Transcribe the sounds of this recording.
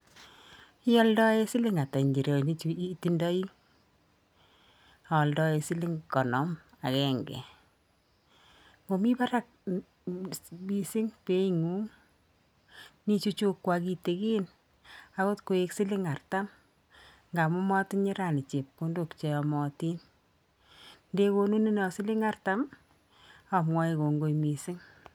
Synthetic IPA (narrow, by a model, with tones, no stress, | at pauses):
ɪ˦jɔ˦ldɔ˦e˦sɪ˦lɪ˦ŋa˨ta˨ɲd͡ʒi˨ɾe˨ni˦t͡ʃu˦i˦ti˦ndɔ˦i˦ | a˨ɔ˨ldɔ˦e˨sɪ˦lɪ˦ŋkɔ˨nɔ˨˦m | a̰˨kɛ˦ŋɡɛ̰˨ | mo˨mi˦ba˦ɾa˦˨k̚ | bi˨sɪ˦ŋpe˦i˦ŋu˦ŋ | ni˦t͡ʃu˦t͡ʃu˦kːwa˨ki˨te˨kiː˦n | a˦ko˦tko˨e˦ksɪ˦lɪ˦ŋa˨rta˦m | ŋɡa˨mʊ˦mɔ˦tɪ˦ɲɪ˦ɾa˨nɪ˨t͡ʃe˨p̚ko˦ndo˨kt͡ʃe˨ɔ˨mɔ˨ti˦n | nde˦ko˦nu˦ni˦nɔ˨sɪ˦lɪ˦ŋa˦rta˦m | a˨mŋɔ˦e˨ko˨ŋɡo˦jmi˨sɪ˦ŋ